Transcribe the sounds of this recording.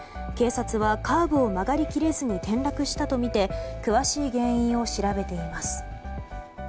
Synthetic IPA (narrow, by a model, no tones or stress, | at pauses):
ke̞ːsat͡sɨβakʰaːbɯ̟omaɡaɾʲikʲiɾe̞zɨɲ̟it̪ẽ̞nɾakɯ̟ɕi̥t̪at̪o̞mʲit̪e̞kɯ̟βaɕiːɡẽ̞ɰ̃ĩɰ̃o̞ɕiɾabe̞t̪e̞imasɨ̥